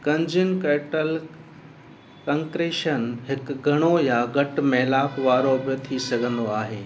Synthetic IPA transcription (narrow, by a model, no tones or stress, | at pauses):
kɐ̃ɲd͡ʑɪn̆keːʈəl | kɐ̃ŋkɾeːʃənɦɪkɡʱɐɽ̃ojaɡɐʈmẽːlaːpʋaːɾobot̪ʰisɐɡʱə̃nd̪oaːɦeː